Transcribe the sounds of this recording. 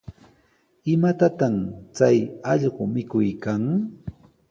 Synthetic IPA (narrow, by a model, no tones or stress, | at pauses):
ɪmat̪at̪amt͡sajɑʎɢʊmɪkʊjkaŋ